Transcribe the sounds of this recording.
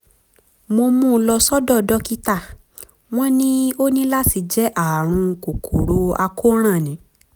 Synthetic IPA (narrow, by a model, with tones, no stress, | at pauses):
mo˧mũ˦˧lɔ˧sɔ˦dɔ˦˨dɔ˦ki˦ta˦˨ | w̃ɔ̃˦nĩ˦o˦nĩ˦la˦ti˧d͡ʒɛ˨˦ʔa˦˨ɾ̃ũ˧ko˨kʰo˨ɾo˧˦a˧ko˦ɾ̃ã˦˨nĩ˨˦